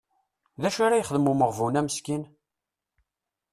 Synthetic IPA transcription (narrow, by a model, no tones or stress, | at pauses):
ðæʃaɾajχəðəmuməʁvunæməskin